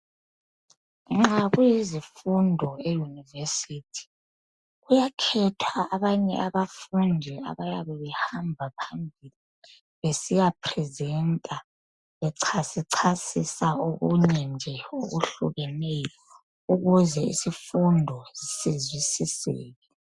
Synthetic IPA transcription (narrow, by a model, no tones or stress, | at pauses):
ŋ͡ǁaɣujizifundʱɔejunivesitʰi̥ | ɣujakʰɛtʰwaːβaɲɛ̰ʔaβafundʱia̰βajaβɛβɛhambʱapʰambʱili | βesijapʰrɛzɛntʼa | βɛǀʰasiǀʰasisaoɣṵɲɛnd͡ʒʱɛo̰ɣṵɬṵɣɛnɛjɔ | uɣuzɛḭsifundʱɔz̥isizwisisɛ̰ːɣɛ